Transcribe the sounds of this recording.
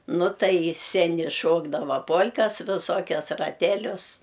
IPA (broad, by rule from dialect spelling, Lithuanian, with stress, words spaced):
ˈnʊ ˈtɐɪ ɪ sʲɛˈnʲɪ ˈʃoːɡdɐʋɐ ˈpoːlʲkɐs ʋʲɪˈsoːkʲɛs rɐˈtʲæːlʲʊs